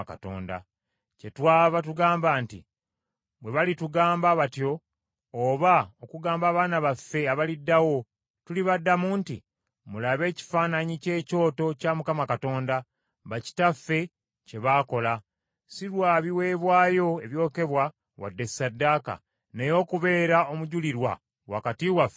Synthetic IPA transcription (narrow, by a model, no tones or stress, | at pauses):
ka̰to̰ːnda̰ | ce̞twaːβatuɡaːmbaːntḭ | βwe̞βalituɡaːmbaβatjo̞ː | βaokuɡaːmbaːβaːnaβafːe̞aβalidːawo̞ | tuliβadːamuːntḭ | mulaβe̞ːci̥faːnaɲice̞ːco̞ːto̞caːmukamakato̞ːnda | βaci̥tafːe̞ | ce̞βaːko̞la | siɾwaːβiwe̞ːβwaːjo̞e̞βjo̞ːke̞βwa | wa̰dːe̞sadːaːka̰ | nejo̞ːkuβe̞ːɾao̞muɟuliɾwa̰ | wa̰katiwafe